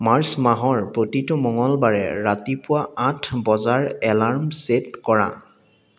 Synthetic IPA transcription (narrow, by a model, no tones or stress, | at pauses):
maɹsmaɦɔɹpotitʊmɔŋɔlbaɹɛ̰ɹatipʊwaãtʰbɔzaɹɛlaɹmsetkɔɹã̰